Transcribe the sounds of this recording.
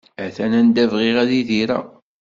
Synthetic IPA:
æθænænd̪ævʁiʁæðiðiɾæ̰

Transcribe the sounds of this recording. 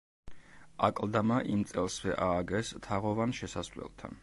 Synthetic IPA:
akʼlˠd̪amaʔimt̪sʼɛlˠsvɛʔaːɡɛst̪ʰaʁɔvanʃɛsasvlɛ̰lˠt̪ʰa̰n

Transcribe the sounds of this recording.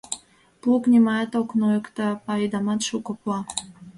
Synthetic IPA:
plˠuknʲimɑjɑt̪oknojəkt̪ɑpɑid̪ɑmɑt̪ʃukoplɑ

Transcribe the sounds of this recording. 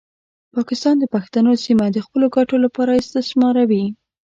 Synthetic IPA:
pɑkɪst̪ɑnd̪əpaxt̪anosimad̪əxpəloɡaʈolapɑɾast̪asmɑɾawi

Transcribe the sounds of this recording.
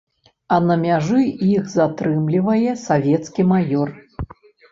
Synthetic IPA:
ɐnɐmʲaʐɨixzat̪ɾɨmlʲivɐjɛsavʲɛt̪skʲimajɔr

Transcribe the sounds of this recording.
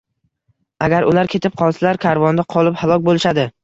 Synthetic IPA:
aɡʲaɾʊlaɾkʲʰe̞t̪ɪp̚qʰɒlˠsalaɾkʲʰaɾvɒnd̪aqʰɒlˠɪphalˠɒk̚ʲbolɪʃad̪ɪ

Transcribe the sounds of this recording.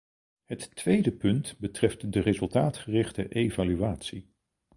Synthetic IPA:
ɦətːʋejdəpɵntbətrɛftdərezɵlˠtaːtχərɪχtəʔejvalyaːtsi

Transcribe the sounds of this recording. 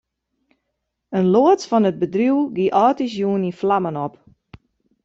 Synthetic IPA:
ənloətfɔnət̚bədruwɡiʔɔːtisjuəninflamənɔp

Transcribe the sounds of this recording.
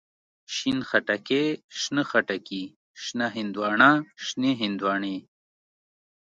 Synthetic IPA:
ʃinxɐʈɐkeʃnəxɐʈɐki | ʃnɐɦind̪wɑːɳaːʃneɦind̪waːɳe

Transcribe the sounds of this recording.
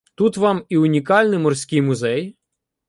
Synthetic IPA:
t̪ut̪ʋɑmiʊnʲikɑlʲnɪmɔrsʲkʲɪjmʊzɛj

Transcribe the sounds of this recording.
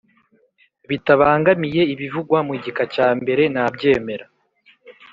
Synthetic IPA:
βitaβaːŋɡamije̞iβivuɡwamiɟikacaːmbe̞ɾe̞nabɟe̞ːme̞ɾa

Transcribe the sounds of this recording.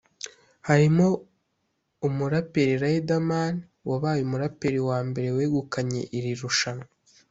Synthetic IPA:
haɾimo̞ | umuɾapeɾiɾajedamani | waβaːjumuɾapeɾiwaːmbe̞ɾe̞weːɡukaɲe̞̰ʔiɾiɾuʃano

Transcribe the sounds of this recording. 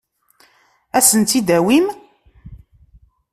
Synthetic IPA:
æsənt̪id̪æwim

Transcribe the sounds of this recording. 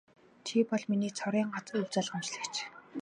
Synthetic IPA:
t͡ɕʰipɔɮminiːt͡sʰɔɾiːŋɢat͡sːɵwʲt͡saːɮχamt͡ɕɮə̆kt͡ɕʰ

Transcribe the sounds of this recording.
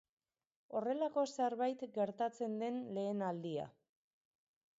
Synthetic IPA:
o̞re̞lako̞seɾβajt̪ɡe̞ɾt̪at͡se̞nd̪e̞nle̞ːnald̪ia̰

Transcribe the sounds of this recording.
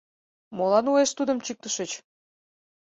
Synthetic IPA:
molɑnueʃt̪ud̪əmt͡ɕik̚t̪əʃət͡ɕ

